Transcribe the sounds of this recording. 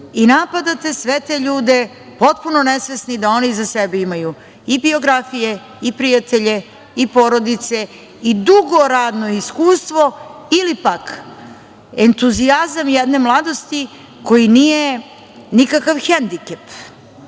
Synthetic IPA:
inapad̪at̪e̞sʋet̪eʎuːd̪e̞ | po̞t̪̚puno̞nesʋe̞snid̪ao̞nizasebeimaju | ibio̞ɡɾafije | ipɾijat̪e̞ʎe | ipo̞ɾo̞d̪it̪se̞ | id̪uɡo̞ɾaːd̪no̞iskuːst̪ʋoilipak | ent̪uziazamjed̪nemlˠad̪o̞st̪i | ko̞jinije | nikakaʋxend̪ikep

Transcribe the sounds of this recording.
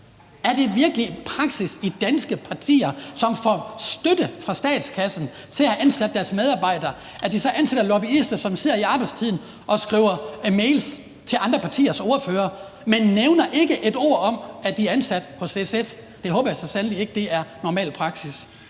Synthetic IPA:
æɐd̥e̝ʋiɐɡ̥əlipʰʁɑ̈ɡ̥sisid̥ænsɡ̥əpʰɑ̈t͡sʰḭːɐsɒ̽mfɒsd̥ød̥əfʁɑ̈sd̥ɛ̰ːd̥skʰæsn̩ | t͡sʰe̝læhæʔænsæd̥̚ːæɐsmeðˠɑ̈ːb̥ɑ̈ɪ̰d̥ɐː | ʔæɐd̥isɒ̽ʔænsed̥ɐlɒbiisd̥ɐsɒ̽mse̝ð̰ˠɐiɑ̈ːb̥ɑ̈ɪd̥st͡sʰið̰ˠn̩ | ʔɒ̽sɡ̥ʁḭːʊ̰ɐmeɪls | t͡sʰe̝lʔɑ̈nd̥ʁɐpʰɑ̈t͡sʰḭːɐso̝ːɐføːɐ | menːeʊnɐʔe̝ɡ̥əʔe̝d̥o̝̰ːɐ̰ɒ̽mæd̥iæɐænsæd̥pʰɒ̽se̝sef | d̥e̝ɦɔ̽ːb̥ɐjasɒ̽sænəlie̝ɡ̥əd̥e̝ʔæɐnɒmɛ̰ːlpʰʁɑ̈ɡ̥sis

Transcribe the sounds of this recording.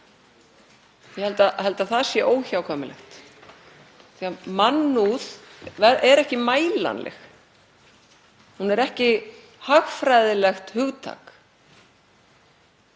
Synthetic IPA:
jɛhɛlt̪ahɛlt̪aθaðsjɛʔoːwçawkʰɔːmɪlɛ̰xt̪ | θiamanːuðvɛɛɾɛhcɪmaːjla̰nlʔɛ̰x | hunɛɾɛhcɪ | haɣfɾajðɪlɛxt̪hʏɣt̪ʰa̰k

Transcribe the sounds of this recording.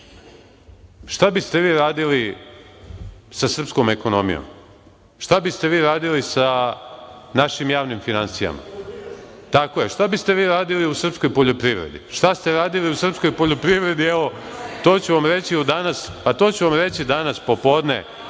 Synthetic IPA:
ʃt̪abist̪e̞ʋiːɾaːd̪ili | sasr̩pskome̞ko̞nomḭjo̰m | ʃt̪abist̪e̞ʋiːɾaːd̪ilisa | naʃimjaːʋnimfinansija̰ma̰ | t̪ako̞jeʃt̪abist̪e̞ʋiːɾaːd̪iliusr̩psko̞jpo̞ʎo̞pɾiʋɾḛd̪ḭʃt̪ast̪e̞ɾaːd̪iliusr̩psko̞jpoʎo̞pɾiʋɾe̞d̪ieʋo̞t̪o̞ːt͡ɕuʋamɾe̞t͡ɕiud̪anaspat̪o̞ːt͡ɕuʋamɾe̞t͡ɕid̪anaspo̞po̞ːd̪nḛ

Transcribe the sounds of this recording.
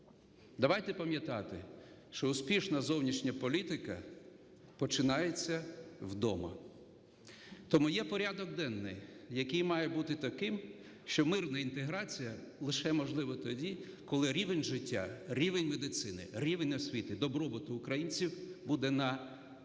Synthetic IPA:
d̪ɐʋɑjt̪ɛpɐmʲjɐt̪ɑt̪ɪ | ʃt͡ʃɔʊspʲiʃnɐzɔwnʲiʃnʲɐpɔlʲit̪ɪkɐ̰ | pɔt͡ʃɪnɑjet͡sʲːɐwd̪ɔmɐ̰ | t̪ɔmujɛpɔɾʲad̪ɔɡ̚d̪ɛnːɪjjɐkɪjmɑjɛbut̪ɪt̪ɐkɪm | ʃt͡ʃɔmɪrnɐint̪eɦɾɑt͡sʲijɐlˠɪʃɛmɔʒlˠɪʋɐt̪ɔdʲikɔlˠɪɾʲiʋenʲʒɪtʲːa̰ɾʲiʋenʲmed̪ɪt̪sɪnɪ̰ɾʲiʋenʲɔsʲʋʲit̪ɪd̪ɔbɾɔbɔt̪ʊːkɾɐjinʲt͡sʲiwbud̪ɛnɐ

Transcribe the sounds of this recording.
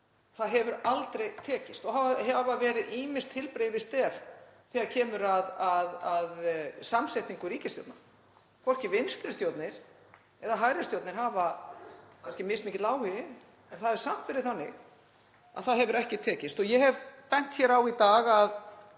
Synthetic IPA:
θaðɦɛvʏɾalt̪ɾejt̪ʰɛːcɪst̪ɔhavaɦɛvavɛːɾɪðiːmɪnst̪ʰːɪlpɾeːjvɪst̪ɛɾθiɣaɾcʰɛːmʏɾaðaðaðsamsejht̪iŋkʏɾiːcɪst̪jo̰wt̪na̰ | kʰvɔr̥cɪvɪnst̪ɾɪst̪joːwt̪nɪɾ̥ | ɛðaɦajɾɪst̪jowt̪nɪɾ̥ɦaːva | kʰanscɪmɪst̪mɪːcɪt̪laːwhɪ | ɛnθaðɛvɾsam̥t̪fɪɾɪθanːɪɣ | a̰ðθaðɦɛvʏɾɛhcɪt̪ʰɛːcɪst̪ɔjɛɦɛvpɛn̥t̪çɛːɾawit̪aːɣað

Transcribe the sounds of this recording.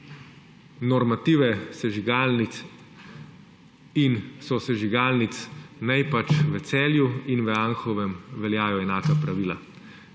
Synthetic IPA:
nɔɾmat̪iːʋɛsɛʒiɡalni | insɔsɛʒiɡaːlnit̪snajpat͡ʃʋɛt̪sɛːljuinʋəaŋxɔʋɛmʋɛljaːjɔɛnaːkapɾaʋiːla̰

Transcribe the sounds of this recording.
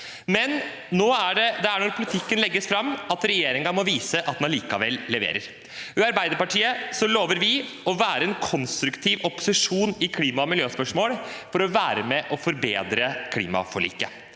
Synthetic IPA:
mɛn | noːæɖɛd̪ɛæɳɔɾpʰʊlɪt̪ʰɪkːənlɛɡːəsfɾɑmːɑt̪ɾɛjeːɾɪŋɑmɔʋiːsəʔɑt̪̚d̪ɛnliːkɑʋɛ̰lːlɛʋḛːɾəɾ | ʋʏɑɾbæɪd̪əɾpɑʈʰiːəsɔloːʋəɾʋɪ | ɔʋæːɾəɛnkʰɔnst̪ɾʉkt̪ʰiːʋɔpʊ̥sɪʂuːnɪkʰliːmɑmɪljøːspœʂmoːlfɔɾɔʋæːɾəmɛʔɔfɔɾbḛːd̪ɾəkʰlḭːmɑ̰fɔɭḭːkə

